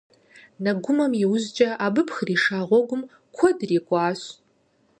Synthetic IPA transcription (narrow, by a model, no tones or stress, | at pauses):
nɐɡʷʊmɐmiwʊzd͡ʒt͡ʃʼɐʔaːbɨpʰxriːʂaːʁʷɔɡʷʊm | kʷʰɔdriːkʷʼɑːɕ